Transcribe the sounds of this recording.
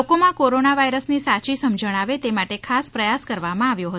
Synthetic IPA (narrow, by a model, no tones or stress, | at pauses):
okomãkoɾonaʋajɾəsnisat͡ʃisəmd͡ʒəɽ̃aʋet̪emaʈekʰaspɾəjaskəɾʋamãaʋjoɦət̪